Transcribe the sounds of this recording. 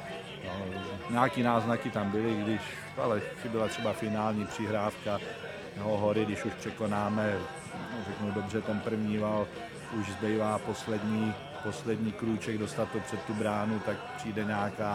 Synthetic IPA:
aɛɲaːkiːnaːznakɪt̪ambɪlɪɡdɪʃ | a̰lɛxɪbɪlat̪r̥ɛbafɪnaːlɲipr̥ɪɦɾaːfka | t̪ɛɦoɦoɾɪɡdɪʃuʃpr̥ɛkonaːmɛ | rɛknudobr̝ɛt̪ɛnpr̩vɲiːval | ʔuʒzbɛjvaːpo̞slɛdɲiː | poslɛdɲiːkɾuːt͡ʃɛɡdost̪at̪opr̥ɛt̪ːubɾaːnut̪ak̚pr̝̥iːdɛɲaːkaː

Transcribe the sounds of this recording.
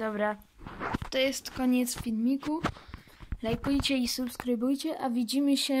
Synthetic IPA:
d̪ɔbɾa | t̪ɔjɛst̪kɔɲɛt̪sfʲilmʲiku | lajkujt͡ɕɛisupskɾɘbujt͡ɕɛʔavʲid͡ʑimɘɕɛ

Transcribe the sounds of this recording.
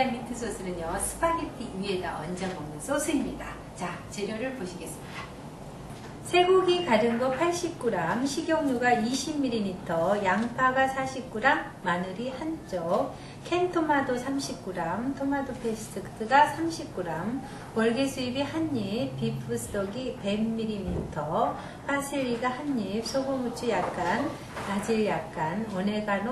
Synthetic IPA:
amitʰɯsʰosʰɯɾɯnjʌsʰɯ̥paɡetʰiueda̰wʌ̰nd͡ʑʌnbʌmʌnsʰosʰɯimɲida | t͡ɕat͡ɕeɾjoɾɯɭpoɕʰiɡe̞s͈ɯ̥mɲida | sʰe̞ɡoɡikaɾɯnɡʌpʰaɭɕ͈ip̚k͈uɾamɕʰiɡjʌŋɲuɡaiɕʰimːiɾinitʰʌjaŋpʰaɡasʰaɕʰip̚k͈uɾamːanɯɾihant͡ɕ͈o | kʰentʰomadosʰamɕʰip̚k͈uɾamtʰomadopʰesʰtʰɯktʰɯɡasʰamɕʰip̚k͈uɾam | wʌɭɡesʰuibihaɲːip̚pːipʰɯsʰɯ̥t͈ʌɡipe̞mːiɾimitʰʌ | pʰasʰiɭːiɡahaɲːip̚sʰoɡomut͡ɕʰujak̚k͈an | ad͡ʑiɭjak̚k͈anʌne̞ɡano

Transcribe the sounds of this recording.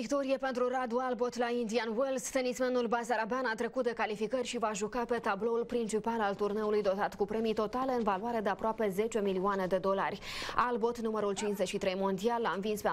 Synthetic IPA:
ikt̪o̞ɾiepe̞nt̪ɾurad̪ualbo̞t̪laind̪ianwelst̪enisme̞nulbasaɾabeanat̪ɾe̞kut̪̚d̪e̞kalifikərʲʃivaʒukape̞t̪ablo̞ulpɾint͡ʃipalalt̪urne̞ulujd̪o̞t̪at̪kupɾe̞mijt̪o̞t̪ale̞ɨnvaluaɾe̞d̪eapɾoape̞ze̞t͡ʃe̞milioane̞d̪e̞d̪o̞larʲalbo̞t̪numəɾult͡ʃinszet͡ʃʃit̪ɾe̞jmo̞nd̪ialːamvinspe

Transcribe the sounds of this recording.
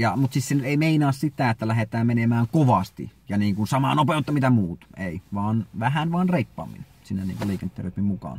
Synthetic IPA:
jɑmut̪siːsenyt̪eˑimeˑinɑːssit̪æet̪ːælæɦet̪æːmmenemæːŋkoʋɑst̪ḭjɑniːŋkunsɑmɑ̰nopeˑot̪ːɑmit̪æmuːt̪eˑiʋɑːnʋæɦænʋɑːnreipːɑ̰ːmːḭn | sinːænḭːŋkuleˑikent̪ːˑeːrøˑt̪mimmukɑ̰ːn

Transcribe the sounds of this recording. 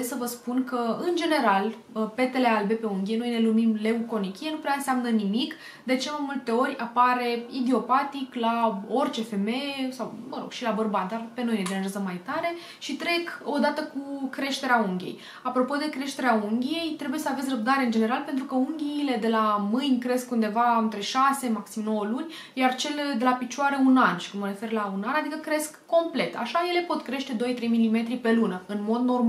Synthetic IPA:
essəvəspunkəɨnd͡ʒe̞ne̞ɾal | əpe̞t̪e̞le̞albe̞pe̞uŋɡʲie̞no̞jne̞lumimle̞uko̞nikʲije̞nupɾeaɨnseamnənimik | d̪e̞t͡ʃemajmult̪e̞o̞ɾʲapaɾe̞id̪io̞pat̪iklao̞rt͡ʃe̞fe̞mesawməɾo̞ɡ̥ʃilabərbat̪̚d̪arpe̞no̞jned̪eaʒazəmajt̪aɾe̞ | ʃit̪ɾe̞ko̞d̪at̪əkukɾe̞ʃt̪e̞ɾeauŋɡʲe̞̰j | apɾo̞po̞d̪e̞kɾe̞ʃt̪e̞ɾeauŋɡʲije̞jt̪ɾebuje̞səavesʲrəb̚d̪aɾe̞ɨnd͡ʒe̞ne̞ɾalpent̪ɾukəuŋɡʲiːle̞d̪e̞lamɨnʲkɾe̞skund̪e̞vaɨnt̪ɾeʃase̞maksimno̞wəlunʲ | jart͡ʃe̞ld̪e̞lapit͡ʃuaɾəunanʃi̥kunməɾe̞fe̞rlaunanad̪ikəkɾe̞skːo̞mple̞t̪a̰ʃaje̞le̞po̞t̪kɾeʃt̪e̞d̪o̞jt̪ɾe̞jmilime̞t̪ɾipe̞lunəɨnmo̞d̪no̞rm

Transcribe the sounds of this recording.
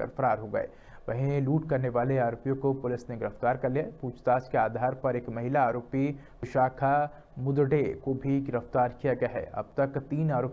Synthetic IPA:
ɐ̰ɾfɐɾaːɾɦoɡɐ̰ḛː | ʋɐɦĩluːʈkɐɾneʋaːleaːɾoːpijõkopʊlɪsneɡɪɾəft̪aːɾkɐɾlijaɦɛpuːt͡ʃt̪aːskeaːd̪ʱaːɾpɐɾeːkmɐɦɪlaaːɾoːpi | ʋɪʃaːkʰa | mʊd̪ɖekobʱiɡɪɾəft̪aːɾkijaɡɐjaɦɛ̰ːɐ̰b̚t̪ɐkt̪iːnaːɾoːp

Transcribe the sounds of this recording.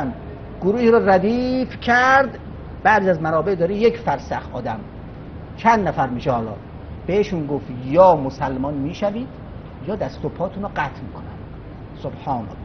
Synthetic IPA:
n | ɡoɾuːhiːɾɔɾæd̪iːfcʰæɾd̪ | b̥æʔzijæzmænɒːbeʔd̪ɒːɾiːjecʰfæɾsæxʔɒːd̪æm | t͡ʃʰænd̪næfæɾmiːʃehɒːlɒ̰ː | b̥eheʃunɡoft̪jɒːmosælmɒːnmiːʃæviːd̪̥ | jɒːd̪æst̪opʰːɒːt̪ʰunɔɡæt̪ʰmiːkʰonæ̰nd̪̥ | sobhɒːnæ̰lː

